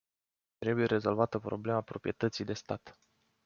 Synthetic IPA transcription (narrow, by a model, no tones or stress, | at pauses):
t̪ɾe̞buje̞ɾe̞zo̞lvat̪əpɾo̞ble̞mapɾo̞pɾije̞t̪ət̪sijd̪e̞st̪at̪